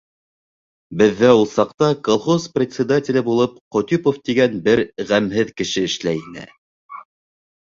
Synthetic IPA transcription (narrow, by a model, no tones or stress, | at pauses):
bɘ̆ðːæulˠsɑq̚t̪ɑkolˠχosprʲɪt̪ʲsʲɪd̪atʲɪlʲɘbulˠɤp̚qŏt̪ypoft̪iɡænbɘɾʁæmɦɘðkɘ̆ʃɘɘ̆ʃlæjinɘ̰